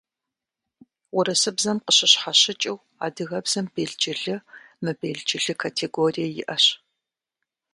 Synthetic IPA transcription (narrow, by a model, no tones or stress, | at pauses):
wʊɾɐsɨbzɐmqəɕɪɕħaɕɪt͡ʃʼɪw | a̰ːdɨɣɐbz̥ɐmb̥eːɮt͡ʃʼɪɮɨmɨbeːɮd͡ʒʼɪɮɨkʰaːtʰeɡoːrijɐjɪ̰ʔɐɕ